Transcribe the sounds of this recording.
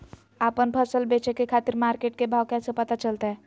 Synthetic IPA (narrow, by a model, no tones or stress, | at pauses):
apənpʰəsəlbet͡ʃekekʰat̪iɾmaɾkeʈ̚kebʱawkɛ̃sə̃pət̪at͡ʃəlt̪aɦɛ